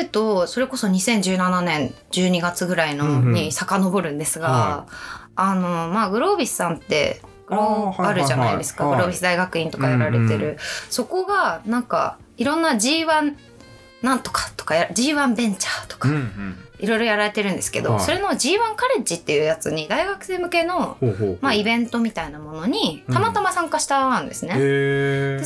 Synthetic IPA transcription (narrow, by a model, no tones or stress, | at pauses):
ɯ̟t̪o̞so̞ɾe̞ko̞so̞ɲ̟isẽ̞ɲ̟d͡ʑɨːnananẽ̞ɲ | d͡ʑɨːɲ̟iɡat͡sɨɡɯ̟ɾainoɲ̟isakano̞bo̞ɾɯ̟̃nd̪e̞sɨɡaː | no̞maːɡɯ̟ɾo̞ːbʲisːãnt̪ːe̞̰ | ɡ̥ɯɾoaɾɯ̟ʑana̰id̪e̞sɨ̥kaɡɯ̟ɾo̞ːbʲisɨd̪aiɡakɯ̟ĩnt̪o̞kajaɾaɾe̞t̪e̞ɾɯ̟so̞ko̞ɡanãŋka̰ | iɾõ̞nːad͡ʑiːβãnː | ãnt̪o̞̥kḁt̪o̞̥kajad͡ʑiːβãmbẽ̞ɲ̟t͡ɕaːt̪o̞̥kḁiɾo̞jɾo̞jaɾaɾe̞t̪e̞ɾɯ̟̃nd̪e̞sɨ̥ke̞d̪o̞̰so̞ɾe̞no̞d͡ʑiːβãŋkaɾe̞d͡ʑit̪ːe̞jɯ̟ːjat͡sɨɲ̟id̪aiɡakɯ̟se̞ːmɯ̟ke̞no̞maibẽ̞nt̪o̞mʲit̪ainamo̞no̞ɲ̟it̪amat̪amasãŋkaɕi̥t̪aɯ̃nd̪e̞sɨne̞ | d̪̥e